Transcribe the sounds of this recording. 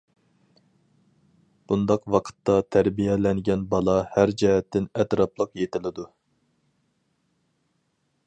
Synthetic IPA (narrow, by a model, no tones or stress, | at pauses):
b̥und̪ɑqwɑqʰə̥t̪ːɑt̪ʰæɾbijɛlɛnɡʲɛnbɑlˠɑhæɾd͡ʒɛɦɛt̪ʰːɪnɛt̪ɾɑplˠəqjet̪ʰɪlɪd̪u